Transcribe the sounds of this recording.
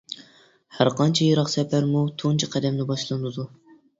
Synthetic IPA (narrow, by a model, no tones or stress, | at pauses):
hæɾqʰɑnt͡ʃʰɛjiɾɑqsɛpʰæɾmut̪ʰont͡ʃʰɛqʰæd̪ɛmnɪbɑʃlˠɨnɨd̪u